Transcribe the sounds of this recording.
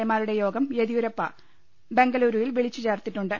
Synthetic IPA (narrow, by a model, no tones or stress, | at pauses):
ɐmaːɾuɽe̞jo̞ːɡɐmjeðiuɾɐpːɐ̰ | be̞ŋɡɐluːɾujilʋiɭit͡ɕːut͡ɕeːrt̪iʈːuɳɖɨ